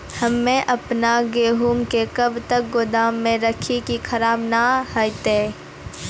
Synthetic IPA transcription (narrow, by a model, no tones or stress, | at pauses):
hɐmːẽʔɐpnaɡeːɦuːmkekɐbt̪ək̚ɡʊd̪aːmːẽɾɐkʰikikʰɐɾaːbnahəjt̪eː